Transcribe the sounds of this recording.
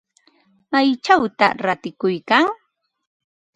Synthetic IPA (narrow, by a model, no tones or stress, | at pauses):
majt͡ʃawt̪aɾat̪ɪkʊjkaŋ